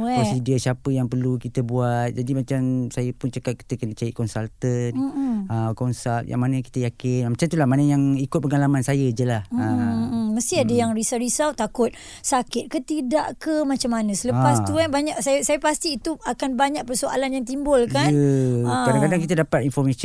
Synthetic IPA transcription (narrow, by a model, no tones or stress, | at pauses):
wɔsidiasiapəjaŋpərlukit̪əbuat̪̚d͡ʒadimat͡ʃamsajəpʊnt͡ʃəkat̪̚ki̥t̪əkənət͡ʃaiʔkɔnsalt̪ən̩əkɔnsalt̪̚ja̰ŋmanãki̥t̪əjakɪnmat͡ʃamt̪ulahmanəjaŋikʊt̪̚pəŋalamansajəd͡ʒəlahm̩əməst̪iadəjaŋɾisaɾisawt̪akʊt̪̚ | sakɪt̪̚kət̪idaʔkəmat͡ʃamːanə̃sələpast̪uanbaɲaʔsajəsajəpast̪iːt̪uakanbaɲak̚pərsoa̰lanjaŋt̪̬imbʊlkanəkadaŋkadaŋkit̪ədapat̪̚infɔrmas